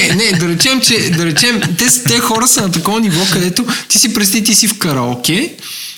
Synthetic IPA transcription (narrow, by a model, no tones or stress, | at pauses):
ɛnɛd̪ɐɾɛt͡ʃɛmt͡ʃɛd̪ɐɾɛt͡ʃɛmt̪ɛst̪ɛxɔɾəsɐnɐt̪ɐkɔvɐnivɔkɐd̪ɛt̪ot̪isipɾɛst̪it̪isifkɐɾakʲɛ